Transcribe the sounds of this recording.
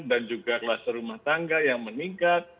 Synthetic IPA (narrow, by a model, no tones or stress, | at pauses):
dand͡ʒuɡaklasəɾumaht̪aŋɡajaŋməniŋkat̪̚